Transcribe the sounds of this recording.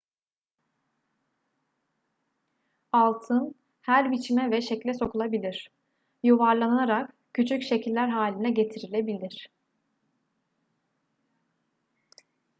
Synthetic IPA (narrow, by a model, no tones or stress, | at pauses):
alˠt̪ʰɯn | hæɾbit͡ʃʰimɛvɛʃeclʲɛso̞kʰulˠabilʲiɾ̝̥ | juvaɾlˠananaɾak | cʰyt͡ʃʰycʃe̞cʰilʲːæɾɦaːlʲinɛɟe̞t̪ʰiɾilʲebilʲiɾ̝̥